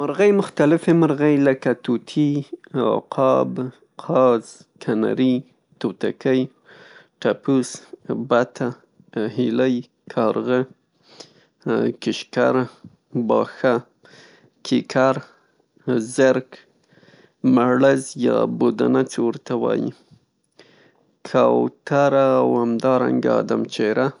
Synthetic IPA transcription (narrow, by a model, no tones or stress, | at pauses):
maɾɣajmʊxt̪alɪfemaɾɣajləkat̪ut̪ʰiɑ̰qʰɑb | qʰɑz | kʰana̰ɾi | t̪ot̪a̰kəj | ʈapusbat̪ʰa | hiləj | kʰɑɾɣə | kɪʃkaɾa | bɑxa | kʰikʰaɾ | zəɾk | maɽazjɑbod̪anat͡sewəɾt̪awɑ̰jḭ | kʰawt̪aɾaːwhamd̪ɑɾa̰ŋɡaa̰d̪amt͡ʃeɾa